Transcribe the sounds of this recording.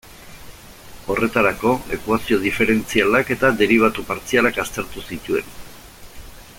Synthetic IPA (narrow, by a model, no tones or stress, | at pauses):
o̞re̞t̪aɾako̞e̞̰kwasio̞ð̞ife̞ɾe̞nt͡sialake̞t̪ad̪e̞ɾiβ̞at̪upaɾt͡sialakast̪e̞ɾt̪usit̪ue̞n